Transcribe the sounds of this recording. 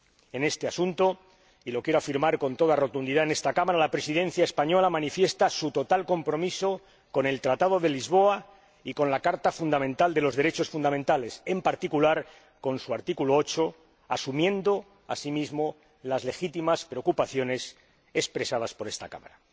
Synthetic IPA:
e̞ne̞st̪e̞asunt̪o̞ | ilo̞kjeɾoafiɾmaɾko̞nt̪o̞ðaro̞t̪und̪iðaene̞st̪akamaɾalapɾe̞siðẽ̞n̟θjaespaɲo̞lamanifje̞st̪asut̪o̞t̪alko̞mpɾo̞miso̞ | ko̞ne̞lt̪ɾat̪aðo̞ðe̞lizβo̞a | iko̞nlakaɾt̪afund̪amẽnt̪ald̪e̞lo̞zðe̞ɾe̞t͡ʃo̞sfund̪amẽ̞nt̪ale̞se̞mpaɾt̪ikulaɾ | ko̞nsuaɾt̪ikuloo̞t͡ʃo̞ | asumjẽ̞nd̪o̞ | a̰simizmo̞ | lazle̞xit̪imaspɾe̞okupaθjo̞ne̞s | e̞spɾe̞saðaspo̞ɾest̪akamaɾa

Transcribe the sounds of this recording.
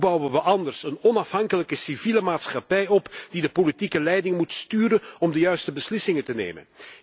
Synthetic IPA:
bɑwənʋəʔɑndərsənɔnɑfɦɑŋkələkəsiviːləmaːtsχɑpɛjɔpd̥idəpolitikəlɛjdɪŋmutstyːɾənɔmdəjœɥstəbəslɪsɪŋətənḛːmə̰n

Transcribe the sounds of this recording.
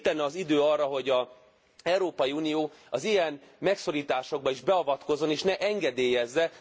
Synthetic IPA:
t̪ːɛnːɛɒzid̪øːɒrːɒɦo̞ɟɒ | ɛwɾoːpɒjiuːnijoːɒzijɛnmɛkso̞ɾiːt̪aːʃo̞ɡ̚bɒiʒbɛɒvɒt̪ko̞zːo̞neːʃnɛʔɛŋɡɛd̪eːjɛzːɛ

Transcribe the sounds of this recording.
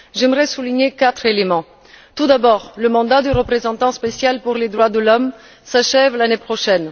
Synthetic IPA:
ʒɛmʁɛsuliɲekat̪χelemɑ̃ | t̪ud̪abɔːʁləmɑ̃d̪ad̪əʁəpχezɑ̃t̪ɑ̃spesjalpuʁled̪ʁwad̪əlɔm | saʃɛvlanepχɔʃɛn

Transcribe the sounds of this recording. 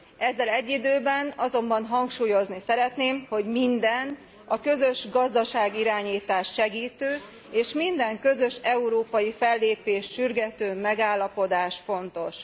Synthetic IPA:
ɛzːɛlɛɟːid̪øːbɛnɒzo̞mbɒnɦɒŋkʃuːjo̞znisɛɾɛt̪neːmho̞ɟmind̪ɛn | ɒkø̞zø̞ʃɡɒzd̪ɒʃaːɡiɾaːɲiːt̪aːʃːɛɡiːt̪øː | eːʃmind̪ɛŋkø̞zø̞ʃɛuɾoːpɒjifɛlːeːpeːʃːyrɡɛt̪øːmɛɡaːlːɒpo̞d̪aːʃfo̞nt̪o̞ʃ

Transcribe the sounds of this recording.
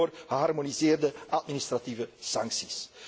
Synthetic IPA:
rɣəɦɑrmonizeːrdəʔɑtminɪst̪rativəsɑŋksis

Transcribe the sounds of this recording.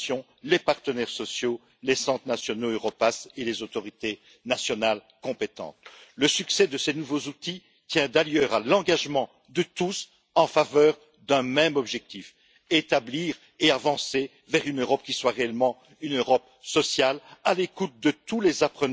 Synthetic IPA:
jɔ̃ | lepaʁt̪ənɛʁsɔsjo | lesɑ̃t̪nasjɔnoøʁɔpaselezot̪ɔʁit̪e | nasjɔnal | kɔ̃pet̪ɑ̰̃t̪ləsyksɛd̪əsenuvozut̪i | t̪jɛ̃d̪aljœʁalɑ̃ɡaʒmɑ̃ | d̪ət̪us | ɑ̃favœːʁ | d̪ɛ̃mɛmɔbʒɛk̚t̪if | et̪abliːʁ | eavɑ̃se | vɛʁynøʁɔp̚kʲiswaʁeɛlmɑ̃ | ynøʁɔp̚ | sɔsjalalekut̪̚d̪ət̪ulezapχən

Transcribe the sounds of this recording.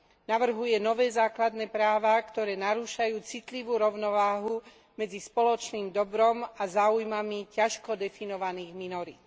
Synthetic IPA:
naʋr̩ɦujɛnɔʋɛːzaːklad̪nɛːpɾaːʋakt̪ɔɾɛːnaɾuːʃajuːt͡sit̪liʋuːɾɔʊnɔʋaːɦu | mɛd͡zispɔlɔt͡ʃniːmd̪ɔbɾɔmazaːujmamicaʃkɔd̪ɛfinɔʋaniːɣminɔɾit̪

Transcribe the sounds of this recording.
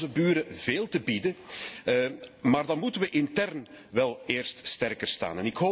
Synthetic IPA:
zəbyːɾəveːlˠtəbidə | maːrdɑnmutənʋəʔɪntɛrn | ʋɛlˠeːrststɛrkərsta̰ːnɛnɪkɦoː

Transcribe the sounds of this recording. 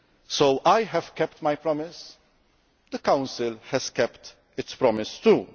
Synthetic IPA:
sowʔajɦɛv̥kɛpt̪majpɾɔmɪs | d̪əkãw̃nsɪlhɛz̥kɛpt̪ | ɪtspɾɔmɪst̪uː

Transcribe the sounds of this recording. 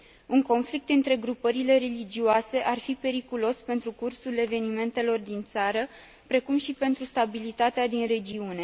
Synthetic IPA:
uŋko̞nflik̚t̪ɨnt̪ɾe̞ɡɾupəɾile̞ɾe̞lid͡ʒioase̞ʔarfipe̞ɾikulo̞spe̞nt̪ɾukursule̞ve̞nime̞nt̪e̞lo̞rd̪int̪saɾə | pɾe̞kumʃipe̞nt̪ɾust̪abilit̪at̪ead̪inre̞d͡ʒiune̞

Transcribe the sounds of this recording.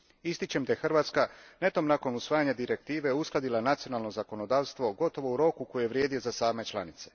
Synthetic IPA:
ist̪it͡ɕemd̪aje̞xrʋaːt̪skane̞t̪o̞mnako̞nusʋaːjaɲad̪iɾe̞k̚t̪iːʋe̞usklˠad̪ilˠanat̪sijo̞naːlˠnozako̞no̞d̪aːʋst̪ʋo̞ɡo̞t̪o̞ʋo̞uɾo̞kuko̞jejeʋɾje̞ːd̪ijo̞zasaːme̞t͡ʃlˠanit̪se̞̥

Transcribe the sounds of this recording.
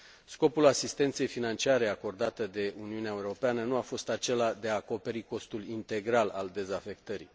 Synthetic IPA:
sko̞pulasist̪e̞nt̪se̞jfinant͡ʃiaɾe̞ako̞rd̪at̪əd̪e̞uniuneaeuɾo̞peanənuafo̞st̪at͡ʃe̞lad̪e̞aːko̞pe̞ɾiko̞st̪ulint̪e̞ɡɾala̰ld̪e̞zafe̞kt̪əɾḭ

